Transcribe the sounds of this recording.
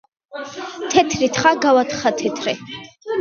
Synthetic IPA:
t̪ʰɛt̪ʰɾit̪ʰχaɡawat̪χat̪ʰɛt̪ʰɾɛ

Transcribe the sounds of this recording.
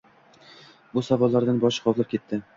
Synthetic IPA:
busavɒlˠːaɾd̪anbɒʃqʰɒvˠlˠɪp̚kʲʰe̞t̪ːɪ

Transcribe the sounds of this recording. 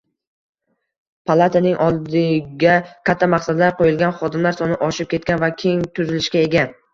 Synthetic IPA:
pʰalˠat̪ʰanɪŋʔɒlˠd̪ɪɡʲakʲʰat̪ʰːamaqsad̪laɾqʰojɪlɡʲanχɒd̪ɪmlaɾsɒnɪʔɒʃɪp̚kʲʰe̞t̪̚kʲanvakʲʰe̞ŋt̪ʰʊzɪlɪʃkʲae̞ɡʲa

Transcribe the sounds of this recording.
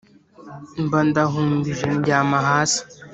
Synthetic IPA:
mbandaɦumbiʒenɟaːmaɦaːsi̥

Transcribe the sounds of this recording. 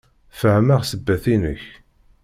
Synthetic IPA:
fəhmaʁsəbːæθinəç

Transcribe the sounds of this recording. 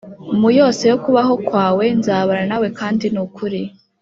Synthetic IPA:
umujo̞ːse̞jokuβaɦo̞kwaːwe̞nzaːβaɾanawe̞kaːndinukuɾi

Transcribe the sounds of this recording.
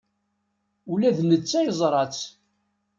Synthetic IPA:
ulæðnət͡sːæjəzˤɾˤɑt͡s

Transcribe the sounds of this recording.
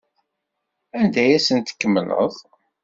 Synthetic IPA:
ænd̪æjæsənt̪ə̥kːəmːlə̰ðˤ

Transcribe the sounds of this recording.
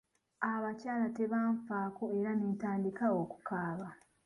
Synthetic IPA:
aβacaːlate̞βaːɱfaːko̞eɾaneːtaːndikao̞ːku̥kaːβa

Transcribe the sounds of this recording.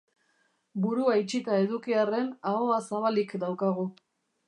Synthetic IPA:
buɾuajt͡ʃit̪ae̞ðukiare̞naoasaβalikd̪awkaɣu

